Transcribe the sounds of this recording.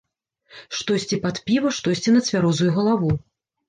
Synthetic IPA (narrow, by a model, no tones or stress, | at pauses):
ʂt̪ɔsʲt͡sʲipat̪pʲivɐʂt̪ɔsʲt͡sʲinɐt̪sʲvʲaɾɔzujuɣɐlˠavu